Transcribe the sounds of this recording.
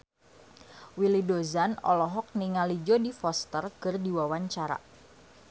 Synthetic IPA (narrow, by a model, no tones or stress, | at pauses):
wilidozanɔ̰lɔɦɔk̚niŋalid͡ʒodifɔst̪ərkɨrdiwawaɲt͡ʃaɾa̰